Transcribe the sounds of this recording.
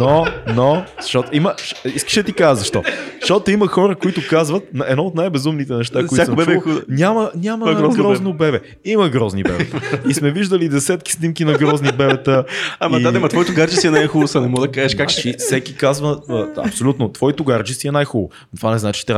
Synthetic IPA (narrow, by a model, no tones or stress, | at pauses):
nonozʃɔt̪iməʃiskə̥ʃɛd̪ət̪ikazəzɐʃt̪ɔ̰ʃɔt̪oimɐxɔɾəkoit̪ʊkazvət̪̚nɐɛ̰d̪nɔot̪najbɛzumnit̪ɛnɛʃt̪akkoit̪ak̪smbɛbɛnʲamɐnʲaməɡɾɔznobɛbɛ | imɐɡɾɔznibbɛ̰bt̪ismɛviʒd̪əlid̪ɛsɛt̪ki̥snimkinɐɡɾɔznibɛbɛt̪əamɐad̪ɛmɐt̪vɔit̪ʊɡaɾd͡ʒisiɛnajxulˠʊsɐnɛmɔd̪ɐkaʒɛʃkakifsɛkʲikazvəɐ̰psolʲut̪not̪vɔit̪ʊɡaɾd͡ʒisiɛnajxulˠʊ̰ | t̪vanɛznat͡ʃi̥t̪ɾa